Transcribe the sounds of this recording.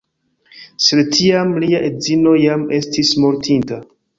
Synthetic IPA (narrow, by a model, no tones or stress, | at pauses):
sedtʰiamliaʔe̞dzino̞jame̞stismo̞ɾtʰinta